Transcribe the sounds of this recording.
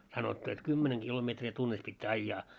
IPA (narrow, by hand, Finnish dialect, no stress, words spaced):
sɑnotːu et kymːeneŋ ɡ̊ilometri tunːis pitːæː ɑijːɑː